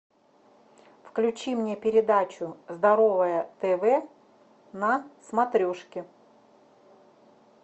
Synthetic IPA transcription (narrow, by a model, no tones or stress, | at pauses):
fklʲʉt͡ɕimnʲe̞pʲɪɾʲɪd̪at͡ɕʊzd̪ɐɾovəjət̪ɛvɛ | nɐsmɐt̪ɾʲoʂkʲɪ